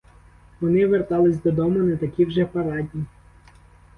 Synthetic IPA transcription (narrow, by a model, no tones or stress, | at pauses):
ʋɔnɪʋert̪ɑlˠɪsʲd̪ɔd̪ɔmʊnɐt̪ɐkʲiwʒɛpɐɾɑdʲnʲi